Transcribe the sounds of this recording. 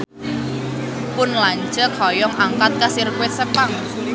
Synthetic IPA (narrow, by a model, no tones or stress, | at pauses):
pʊnlaɲd͡ʒəkʰɔjɔŋʔaŋkat̪̚kasirkwɪsəpaŋ